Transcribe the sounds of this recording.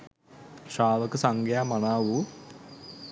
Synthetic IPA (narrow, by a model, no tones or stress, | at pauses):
ʂaːʋɐkɨsaŋɡjaːmɐnaːʋu